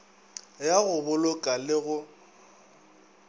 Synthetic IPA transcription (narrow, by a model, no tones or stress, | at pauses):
jaɣʊbʊlʊkʼalɪɣʊ